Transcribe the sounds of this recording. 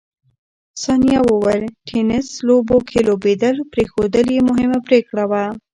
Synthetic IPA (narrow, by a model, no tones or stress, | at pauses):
sanijawowəɾʈʰenɪslobokʰelobed̪əlpɾexod̪əljemʊɦɪmapɾekɽawa